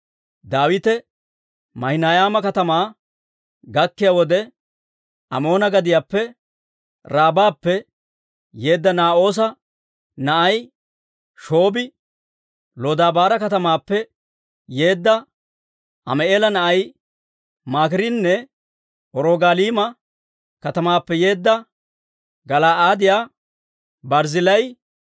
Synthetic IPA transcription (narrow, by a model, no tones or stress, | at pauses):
d̪aːwɪt̪ɛ | mɐhɪnaːjaːmɐkɐt̪ɐmaː | ɡɐkːɪjawɔd̪ɛ | ʔɐ̰mo̞ːnɐɡɐd̪ɪjaːpːɛ | ɾaːbaːpːɛ | je̞ːd̪ːɐnaːʔo̞ːs̬ɐ | nɐʔɐj | ʃo̞ːbɪ | lod̪aːbaːɾɐkɐt̪ɐmaːpːɛ | je̞ːd̪ːɐ | ʔɐmɛʔeːlɐnɐʔɐj | maːkɪɾinːɛ | ʔɔɾoːɡaːliːmɐ | kɐt̪ɐmaːpːɛje̞ːd̪ːɐ | ɡɐlaːʔaːd̪ɪjaː | bɐɾzɪlɐj